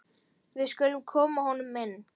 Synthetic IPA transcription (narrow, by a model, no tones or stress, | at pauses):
vɪðskœlːʏmkʰɔːmahɔnːʏmːɛnː